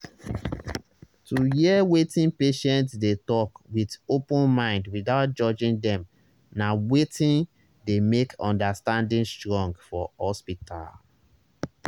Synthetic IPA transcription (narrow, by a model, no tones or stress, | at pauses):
tujiɛwetĩnpeʃɛ̃ntsdetɔkwidopũnmãɪ̃ndwidaʊt̚d͡ʒɔd͡ʒĩŋdɛ̃m | nawetĩn | demekʰɔ̃ndastãndĩnstɹɔ̃ŋɡfɔhɔspitʰa̰l